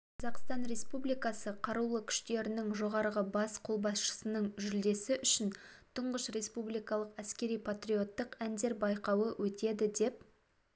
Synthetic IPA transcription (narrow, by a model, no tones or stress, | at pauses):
qʰɑzɑqst̪ɑnɾe̞spublijkɑsəqʰɑɾulˠəkʲʰʏ̥ʃt̪e̞ɾɪnɪŋʒo̞ʁɑɾʁəbɑsqʰo̞lˠbɑsʃə̥sənəɴʒʏld̪e̞sɪʔʏʃɪnt̪ʰʊɴʁəʃre̞spublijkɑlˠəqæskʲe̞ɾijpʰat̪rʲio̞t̪ːəqænd̪e̞ɾbɑjqɑwəwʔɵt̪e̞d̪ɪd̪e̞p̚